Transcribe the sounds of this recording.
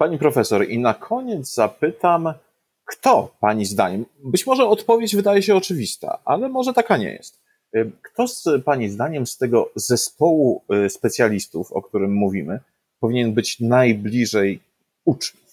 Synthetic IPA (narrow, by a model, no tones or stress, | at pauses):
paɲipɾɔfɛsɔɾinakʰɔɲɛd̪zzapɘt̪am | kt̪ɔpaɲizd̪aɲɛmbɘt͡ɕmɔʐɛɔt̪pɔvʲjed͡ʑvɘd̪ajɛɕɛɔt͡ʂɘvʲist̪a̰ʔa̰lɛmɔʐɛt̪akaɲɛ̰jɛ̰st̪ | kt̪ɔzpaɲizd̪aɲɛmst̪ɛɡɔzɛspɔwuspɛt̪sʲjalʲist̪ufɔ̰kt̪uɾɘmːuvʲimɘ | pɔvʲiɲɛnbɘt͡ɕnajblʲiʐɛj | ut͡ʂɲuf